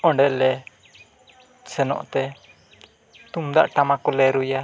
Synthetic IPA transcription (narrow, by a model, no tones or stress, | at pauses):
ɔɳɖɛlɛ | sənɔ̰ʔt̪ɛ | t̪umd̪a̰ʔʈamakulɛɾuja